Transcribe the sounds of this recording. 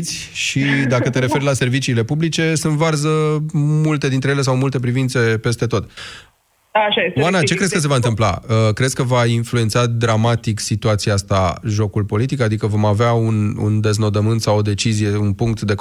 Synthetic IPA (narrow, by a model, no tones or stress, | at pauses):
t̪sʲ | ʃid̪akət̪e̞ɾe̞fe̞rlase̞rvit͡ʃiːle̞publit͡ʃe̞sɨnt̪varzəmult̪e̞d̪inɾejele̞sawmult̪e̞p̬ɾivint̪se̞pe̞st̪e̞t̪o̞t̪ | aʃajewanat͡ʃe̞kɾeskəs̬e̞vaɨnt̪ɨmpla̰əkɾesʲkəvainflue̞nt̪sad̪ɾamat̪iksit̪uat̪siaast̪aʒo̞kulpo̞lit̪ikad̪ikəvo̞maveaunṵnd̪e̞zno̞d̪əmɨnt̪sawo̞d̪e̞t͡ʃizije̞unpuŋk̚t̪d̪e̞